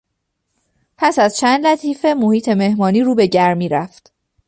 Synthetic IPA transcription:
pʰæsæzt͡ʃʰænd̪læt̪ʰiːfe̞mohiːt̪ʰe̞me̞hmɒːniːɾuːbe̞ɟæɾmiːɾæft̪

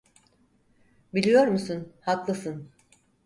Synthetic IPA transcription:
bilʲijo̞ɾmusunhaklˠɯsɯn

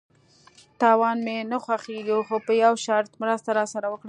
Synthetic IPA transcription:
t̪ɑwɑnmenaxwaxeɡuxopəjawʃaɾt̪mɾəst̪aɾɑsaɾawəkɽə

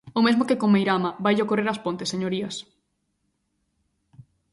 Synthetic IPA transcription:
omezmokekõŋmejɾamɐbajʎokoreɾɐspõnt̪esːeɲoɾiɐs

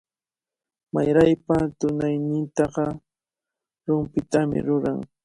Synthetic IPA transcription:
majɾajpat̪ʊnajnɪnt̪ɑɢɑ | ɾʊmpɪt̪amɪ̰ɾʊɾaŋ

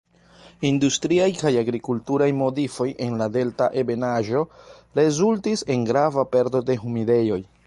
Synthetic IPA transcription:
industɾiajkajaɡɾikultuɾajmo̞difo̞jʔe̞nlade̞ltaʔe̞be̞naʒo̞ɾe̞zultise̞nɡɾavape̞ɾdo̞de̞ɦumide̞jo̞j

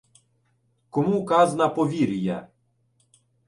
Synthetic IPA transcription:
kɔmukaznapɔvʲiɾʲja̰

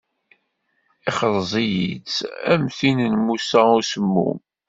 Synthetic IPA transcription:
iχəɾˤzˤijḭt͡sæ̰mθinənmusæusəmːṵm

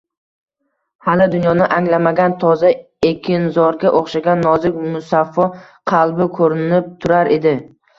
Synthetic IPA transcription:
halɪd̪ʊnjɒnɪʔaŋlamaɡʲant̪ʰɒza | ekʲʰɪnzɒɾɡʲaʔoχʃaɡʲanːɒzɪkʲmʊsafːɒ | qʰɑlˠbɪkʰɵɾɪnɪp̚t̪ʰʊɾaɾʔe̞d̪ɪ

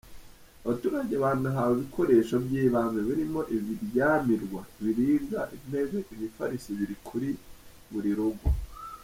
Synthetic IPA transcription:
aβatuːɾaɟeaβaːnhuɦawoβikʰo̞ɾe̞ʃobɟiːβanuβiɾimo̞ʔiβiɾjaːmiɾɡwaβiɾiːɾzaʔin̥e̞zeʔiβifa̰ɾisiβiɾikʰuɾi | muɾiɾuɡu

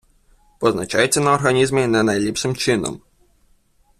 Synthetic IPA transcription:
pɔznɐt͡ʃajet͡sʲːɐnɐɔrɦɐnʲizmʲɪnɛnɐjlʲipʂɪmt͡ʃɪnɔ̰m

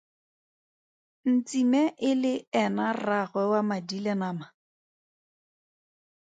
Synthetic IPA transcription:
n̩t͡simɛʔɪlɪɛnaraχwɛwamadilɛnaːma

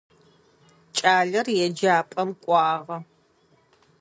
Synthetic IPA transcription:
t͡ʃʼaːɮɐrjɛd͡ʒaːpʼɐmkʷʼɑːʁɐ

